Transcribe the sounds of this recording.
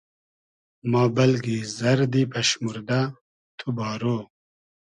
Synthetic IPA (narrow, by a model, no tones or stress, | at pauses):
mɑːbɐlɡizɐɾd̪ipʰɐɕmuɾd̪a | t̪ʰubɑːɾoː